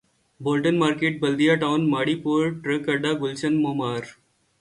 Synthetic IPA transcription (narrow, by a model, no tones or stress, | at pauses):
boːlʈənmaːɾkeːʈ̚bɐld̪ijaːʈaʊnmaːɽiːpuːɾʈɾəkɐɖaːɡʊlt͡ʃənmoːmaːɾ